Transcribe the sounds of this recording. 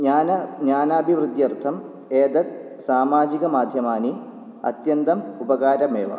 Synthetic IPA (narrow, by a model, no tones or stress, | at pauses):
ɲaːnɐɲaːnaːbʱiʋrɨd̪jɐrt̪ʰɐm | eːd̪ɐk̚ | saːmaːd͡ʑiɣɐmaːd̪ʱjɐmaːni | ɐ̰t̪jɐnd̪ɐmubɐɣaːɾɐmeːʋɐ̰